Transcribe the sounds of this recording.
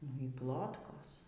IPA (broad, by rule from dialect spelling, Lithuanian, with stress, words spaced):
nʊ iː ˈplˠoːtkoːs